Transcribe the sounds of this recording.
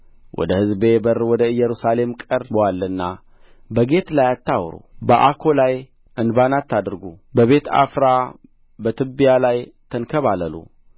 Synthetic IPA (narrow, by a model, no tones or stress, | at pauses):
wʔɔ̰d̪əhɨzbe̞bərwɔd̪əɨjːɛɾusale̞mkʼəɾbwalːɨnːa | bəɡe̞t̪lajat̪ːawɾṵbəʔakʰo̞laj | ʔɨnbanat̪ːad̪ɨɾɡubəβe̞t̪ʰa̰fɾa | bət̪ʰɨbijalajt̪ʰənkʰəβaləlṵ